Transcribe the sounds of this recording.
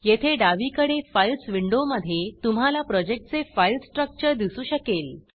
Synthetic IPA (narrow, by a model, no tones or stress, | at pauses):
jet̪ʰeɖaʋiːkəɽefailsʋiɳɖoməd̪ʱːjet̪um̤ɦalapɾɔd͡ʑek̚ʈ̚t͡sefajlsʈɾək̚t͡ɕəɾd̪isuːɕəkel